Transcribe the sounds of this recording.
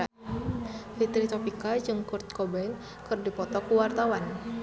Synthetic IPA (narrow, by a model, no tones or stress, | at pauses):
fit̪ɾit̪ɔpikad͡ʒɨŋkʊrt̪̚kɔban | kɨrdipɔt̪ɔkuwart̪awan